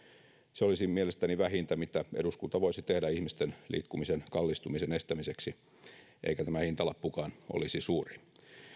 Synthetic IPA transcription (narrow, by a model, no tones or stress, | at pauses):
seolisimielest̪æniʋæhint̪æmit̪æʔeduskunt̪ɑʋoisit̪ehdæihmist̪enlḭːkːumisenkɑlːist̪umisenest̪æmiseksi | ʔḛikæt̪æmæhint̪ɑlɑpːukɑːno̰lisisuːri